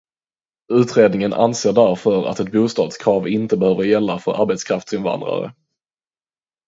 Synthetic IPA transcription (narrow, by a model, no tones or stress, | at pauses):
ʉ̟ːt̪ɾeːd̪nɪŋənʔa̰nseːɖæɾfœɾa̰t̪ɛt̪̚buːst̪ɑːd̪skʰɾɑːvɪnt̪əbɛhøːvəɾjɛlːafœɾʔaɾbɛt̪skʰɾaft̪sɪnva̰nd̪ɾa̰ɾə̰